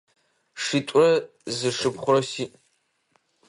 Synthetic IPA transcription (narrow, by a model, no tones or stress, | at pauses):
ʂitʷʼʊrɐ | zɨʂɨpʰχʷʊrɐsiːʔ